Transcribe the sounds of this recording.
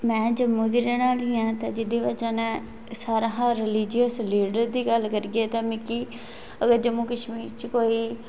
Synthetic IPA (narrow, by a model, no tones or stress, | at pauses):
mɛ̃ːd͡ʒəmũːd̪iːɾeːnaːliːãːt̪ãːd͡ʒɪd̪iːʋəd͡ʒaːnɛ̃ː | saːɾãɦãːɾɪliːd͡ʒijəsliːɖəɾd̪iːɡəlkəɾɡeːt̪ãːmɪkiː | əɡəɾd͡ʒəmũːkəʃmiːɾt͡ʃkoːiː